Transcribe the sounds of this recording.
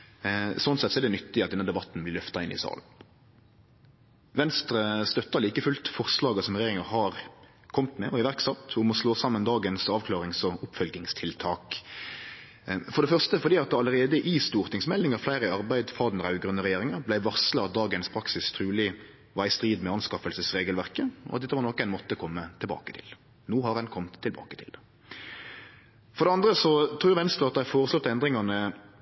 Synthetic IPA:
sɔnsɛt̪ːsɔɛdɛnʏt̪ːɪɑt̪d̪ɛnəd̪ɛbɑt̪ːn̩blɪʁlœft̪ɑɪnʔɪ̰sɑ̰ːln̩ | ʋɛnst̪ɾəst̪œt̪ːɑliːkəfʉlt̪fɔʁslɑːɡəsɔmʁɛjeːɾɪŋəɾhɑːɾ | kʰɔmt̪mɛɔɪʋæʁksɑt̪ːʊmɔsloːsɑmːənd̪ɑːɡənsɑːʋkʰlɑːʁɪŋsɔʊpfœlɡ̪ɪŋst̪ʰɪlt̪ʰɑːk | fɔɾɖ̪ɛfœʁst̪əfɔɾd̪iːɑt̪̚d̪ɛɑlːəɾeːd̪əʔɪst̪uːɾt̪ɪŋsmɛlːɪŋɑɾflæɪɾəɑɾbæɪd̪fɑːd̪n̩ʁɑʉɡɾʉnːəʁɛjeːɾɪŋəblæɪʋɑʁsləɑt̪̚d̪ɑːɡənspʰɾɑksɪst̪ʰɾʉːlɪ | ʋɑɾɪst̪ɾiːd̪mɛɑnskɑfəlsəsʁeːɡəlʋæʁkəɔ̰ɑt̪̚d̪ɛt̪ːəʋɑɾnɔkːænmɔt̪ːəkʰɔmːət̪ʰɪlbɑ̰ːkət̪ʰɪ̰l | noːhɑɾɛnkʰɔmt̪ʰːɪlbɑ̰ːkət̪ʰɪ̰ld̪ɛ | fɔɾɖ̪ɛɑnd̪ɾəsɔt̪ʰɾuːʁʋɛnst̪ɾəɑt̪̚d̪æɪfoːɾəslɔt̪ːɛnd̪ɾɪŋɑnə

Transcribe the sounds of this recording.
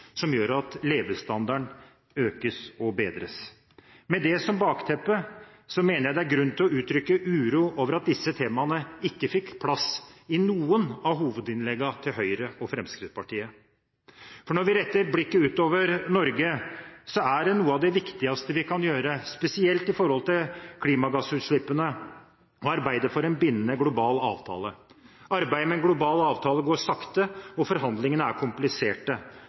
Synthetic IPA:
sɔmjøːɾɑt̪leːʋəst̪ɑnd̪ɑɳ | øːkəsɔbeːd̪ɾə̰s | mɛd̪ɛsɔmbɑːkt̪ʰɛpːə | sɔmeːnəɾjæɪd̪ɛæɾɡɾʉnt̪ʰɪlɔʉːt̪ʰɾʏkːəʔʉːɾuːoːʋəɾɑt̪̚d̪ɪsːət̪ʰeːmɑnəɪkːəfɪkːpʰlɑsɪnuːənɑɦuːʋəd̪ɪnlɛɡːɑt̪ʰɪlɦœʏɾəɔfɾɛmskɾɪt̪spɑʈiːə | fɔɳɔɾʋɪɾɛt̪ːəɾblɪkːəʉːt̪oːʋəɾnɔɾɡəsɔæɖɛnuːəɑʋd̪ɛʋɪkt̪ɪɑst̪əʋɪkʰɑnjøːɾəspɛsɪɛlt̪ɪfɔɾhɔlt̪ɪlkʰliːmɑɡɑsʉːt̪ʂɭɪpːənə | ɔɑɾbæɪd̪əfɔɾɛnbɪnːənəɡlʊbɑːlɑ̰ːʋt̪ʰɑ̰ːləɑɾbæɪəmɛnɡlʊbɑːlɑːʋt̪ʰɑːləɡoːʂɑkt̪əɔfɔɾɦɑnd̪lɪŋənəæɾkʰʊmplɪseːʈə

